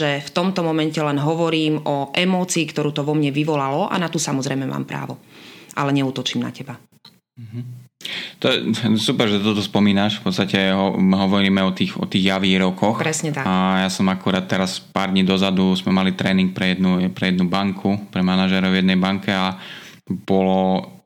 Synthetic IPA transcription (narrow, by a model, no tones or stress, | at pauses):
ʒɛft̪ɔmt̪ɔmɔmɛncɛlɛnɦɔʋɔɾiːmʔɔʔɛmɔːt͡siːkt̪ɔɾuːt̪ɔʋɔmɲɛʋiʋɔlalɔʔa̰nat̪usamɔzɾɛjmɛma̰ːmpɾa̰ːʋɔʔalɛɲɛuːt̪ɔt͡ʃiːmna̰cɛba | ɦ̩ | t̪ɔjɛsupɛɾʒɛt̪t̪ɔt̪ɔspɔmiːnaʃfpɔt̪st̪acɛɦɔɦɔʋɔɾiːmɛɔt̪iːxɔ̰t̪iːɣjaʋiːɾɔkɔxɾɛsɲɛt̪aajasɔmakuɾaːt̪ːɛɾaspaːɾd̪ɲiːd̪ɔzad̪uzmɛmalit̪ɾɛːniŋk̚pɾɛjɛd̪nuɛpɾɛjɛd̪nubaŋkʰupɾɛmanaʒɛɾɔʊjɛd̪nɛjbaŋkɛa | b̥ɔlɔ